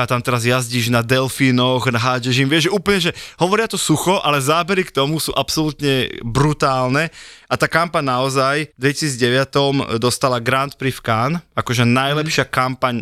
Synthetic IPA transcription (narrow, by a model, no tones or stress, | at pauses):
at̪amt̪ɛɾazjazɟiːʒnad̪ɛlfiːnɔɣnaɦaːɟɛʒimʋɪɛʒʒɛʔuːplɲɛʒɛɦɔʋɔɾɪat̪ɔsuxɔʔalɛzaːbɛɾikt̪ɔmusṵːʔapsɔlut̪ɲɛbɾut̪aːlnɛat̪aːkampaɲnaɔzajd̪ʋɛcisiːd͡zɟɛʋɪat̪ɔmd̪ɔst̪alaɡɾant̪̚pɾifkaːnakɔʒɛnajlɛpʃɪakampaɲ